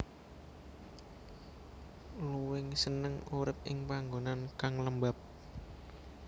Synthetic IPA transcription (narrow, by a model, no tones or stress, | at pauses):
luwɪŋsənəŋuɾɪp̚ʔɪŋpaŋɡonankaŋləmbap̚